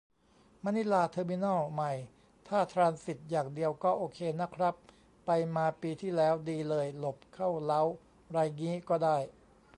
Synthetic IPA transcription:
ma˧ni˦˥laː˧t̪ʰɤː˧mi˧˥nɔ˥˩ma˨˩j | t̪ʰaː˥˩t̪ʰɾaː˧nsi˨˩t̪̚jaː˨˩ŋdi˧əwkɔː˥˩ʔoː˧kʰeː˧na˦˥kʰɾa˦˥pː | a˧jmaː˧piː˧t̪ʰiː˥˩lɛː˦˥wdiː˧lɤː˧jlo˨˩p̚kʰa˥˩wla˦˥w | ɾaː˧jŋiː˦˥kɔː˥˩daː˥˩j

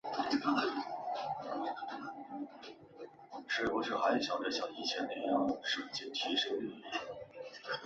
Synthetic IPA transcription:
ʂe˧˥pɔ˧˥ʂɻ̩˥˩xa˧˥ɪ˧˥ɕjɑ˨˩ʈ͡ʂə˥˩ɕjɑ˨˩ŋi˥˩t͡ɕʰjɛ˧˥nne˧˥jɑ˥˩ŋʂə˨˩t͡ɕɛ˥˩t̪ʰi˧˥ʂɤ˥i˥˩˥

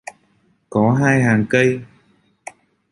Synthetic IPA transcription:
kɔ˨˦ɦaː˧jɦaː˨˩ŋkə˧j

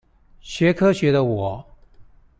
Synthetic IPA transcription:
ɕɥɛ˧˥kʰɤ˥ɕɥɛ˧˥d̪ə˧wɔ˨˩˦

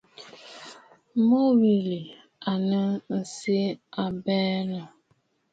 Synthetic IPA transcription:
mo˦wi˨li˨ | a˨nə˦n̩˨si˦a˨bɛː˦nə˨

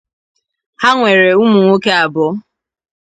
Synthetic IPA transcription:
ha˦ŋʷe˨ɾe˨u˦mu˨ŋʷo˦ke˦a˨bʊ˦

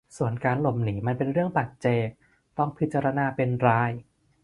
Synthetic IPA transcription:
su˨˩ənkaː˧nlo˨˩mniː˩˦ma˧npe˧nɾɯ˥˩əŋpa˨˩t̪̚t͡ɕeː˨˩k̚ | t̪ɔ˥˩ŋpʰi˦˥t̪̚t͡ɕaː˧ɾa˧naː˧pe˧nɾaː˧j

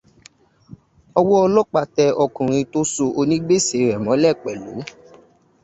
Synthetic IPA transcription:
ɔ˧wɔ˦ɔ˧lɔ˦k͡pa˧tɛ˧ɔ˧kũ˨ɾ̃ĩ˧to˦so˧ʔo˧nĩ˦ɡ͡be˦˨se˨ɾɛ˨mɔ̃˨˦lɛ˦˨k͡pɛ˨lo̰˨˦

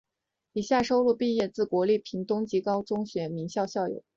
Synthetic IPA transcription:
i˨˩ɕja˥˩ʂo˥ʊlu˥˧pi˥˧jɛ˥˧t͡sɹ̩˥˩kwɔ˧˥li˥˩pʰi˧˥ŋt̪ʊ˥ŋt͡ɕi˧˥kɑ˥ʊt͡sʊ˥ŋɕɥɛ˧˥mi˧˥ŋɕjɑ˥˧ʊɕjɑ˥˩ʊjo̰˨˩˦

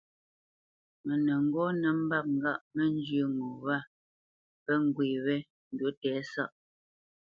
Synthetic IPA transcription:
mɛ˨nə˨ŋ̩˦ɡɔ˦nə˨˦m̩˦ba˦k̚ŋ̩˦ɡa˦˨ʔmɛ˦n˦d͡ʒə˦ŋo˨wa˦˨ | pɛ˦ŋ˨ɡweː˨wɛ˦ | n̩˨du˨˦tɛː˨˦sa̰˦ʔ

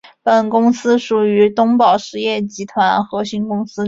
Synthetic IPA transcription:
pə˨˩nkʊ˥ŋsɹ̩˥ʂu˨˩y˧˥t̪ʊ˥ŋpɑ˨˩ʊʂɻ̩˥˧jɛ˥˩t͡ɕi˧˥t̪ʰwa˧˥nxɤ˧˥ɕi˧˥nkʊ˥ŋsɹ̩˥

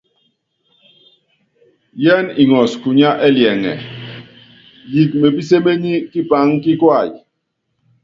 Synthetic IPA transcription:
jɛ˦ni˨ŋɔ˨sku˨ɲa˦ʔɛ˦ljɛ˨ŋɛ̰˨ | ji˨k̚me˨bi˦s̬e˦me˦ɲi˦ki˦pa˦ŋki˦kwa˦˨j

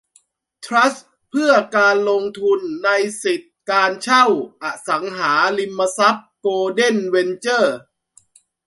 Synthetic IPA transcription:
t̪ʰɾa˦˥s | pʰɯ˥˩ɐkaː˧nlo˧ŋt̪ʰu˧nːa˧jsi˨˩t̪̚kaː˧nt͡ɕʰa˥˩wʔa˨˩sa˩˦ŋɦaː˩˦li˧mːa˧sa˦˥p̚koː˧de˥˩nwe˧nt͡ɕɤː˥˩

